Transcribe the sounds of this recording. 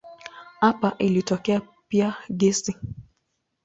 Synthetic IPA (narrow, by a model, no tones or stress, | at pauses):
apaʔilitɔkɛa | piaɡɛsi